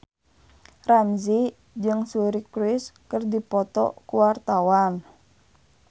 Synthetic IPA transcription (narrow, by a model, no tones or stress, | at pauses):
ramzi | d͡ʒɨŋsuɾikɾɪskərdipɔt̪ɔ̰kuwart̪awan